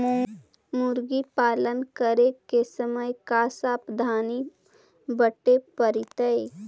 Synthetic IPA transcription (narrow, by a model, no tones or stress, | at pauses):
mʊɾɡipaːlənkəɾekesəməjkaːsaːpd̪ʱaːni | bəʈepəɾɪt̪əe